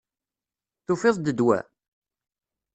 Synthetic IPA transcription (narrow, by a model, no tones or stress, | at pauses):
θufɪðˤd̪əd̪wæ̰